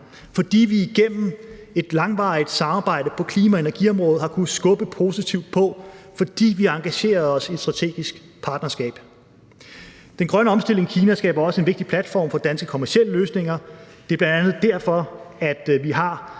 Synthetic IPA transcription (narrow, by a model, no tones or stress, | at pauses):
fɒ̽d̥ḭːʋiiɡ̥en̰m̩ | e̝d̥lɑ̈ŋʋɑ̈ɪd̥sɑ̈mɑ̈ːb̥ɑ̈ɪ̰ɾəpʰɒ̽kʰliːmæe̝nɐɡ̥iɒ̽mʁɔ̽ːð̞̩ˠhɑ̈kʰunsɡ̥ɔ̽b̥əpʰo̝ːsit͡sʰiʊd̥̚pʰɒ̽fɒ̽d̥ḭːʋiɑ̈ŋɡ̥æɕe̝̰ːɐð̩ˠɒ̽sied̥sd̥ʁɑ̈t͡sʰe̝̰ːɡ̥isɡ̥ | pʰɑ̈ːd̥nɐsɡ̥ɛ̰ːb̥ | d̥enɡ̥ʁɶnəɒ̽msd̥e̝l̰e̝ŋikʰiːnæsɡ̥ɛ̰ːb̥ɐɒ̽səe̝nʋe̝ɡ̥̚d̥ipʰlæd̥fɒ̰ːmfɒ̽d̥ænsɡ̥əkʰo̽mæɐɕieləløːsne̝ŋɐd̥e̝æɐb̥lænd̥ænð̞̩ˠd̥æɐ̰fɒ̽æd̥ʋiɦɑ̈